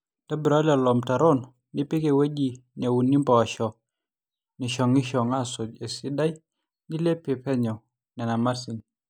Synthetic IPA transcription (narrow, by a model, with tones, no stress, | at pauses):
ta˦bɾa˦la˨lɔ˨mta˨ɾɔ˦nː | ɪ˦pi˦ke˨we˦d͡ʒi˨ɲa˨wu˨nːi˦mpɔ˨ʃɔ˨ | nɪ˨ʃɔ˨ŋɪ˦ʃɔ˨ŋa˦sʊ˨d͡ʒe˨sɪ˦da˦j | nɪ˦le˦pe˨pɛ˦ɲɔ˨ | nɛ˨na˨ma˦rsi˨n